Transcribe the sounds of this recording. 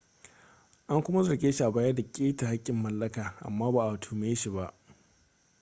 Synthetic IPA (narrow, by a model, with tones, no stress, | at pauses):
ʔa˦ŋkʷʊ˦ma˦zɐ˨ɡʲeː˦ʃi˦˨ʔa˨baː˦jɐ˦da˨kʲʼeː˦ta˨ha˦kʲʼːɪ˨mːɐ˨lːɐ˦kaː˨ʔa̰˨mːaː˦baː˨ʔa˨tʰuː˦meː˨jʃi˨ba˦ʔ